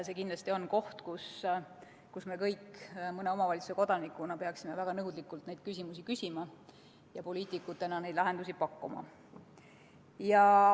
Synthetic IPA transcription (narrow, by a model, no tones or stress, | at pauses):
sekind̪lɑsʲt̪io̞nko̞ht̪kus | kusme̞kɤjkːmɤne̞o̞mɑvɑlʲit̪su̥se̞ko̞d̪ɑnikːˑunɑpe̞ɑksime̞væɡ̥ɑnɤwd̪likːult̪nejd̪̥̚kys̬ʲimus̬ikysʲimɑ | jɑpo̞liːt̪ˑikːˑut̪ːˑe̞nɑnejd̪lɑɦe̞nd̪usʲipɑkːumɑ̰ | jɑ